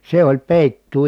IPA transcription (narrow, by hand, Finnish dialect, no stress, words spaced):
se olʲ peˑitːuː